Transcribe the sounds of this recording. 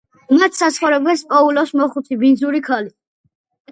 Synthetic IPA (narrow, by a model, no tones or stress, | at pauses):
umat̪sasχɔɾɛblɛspʼɔulɔsmɔχut̪ʰibind̪zuɾikʰali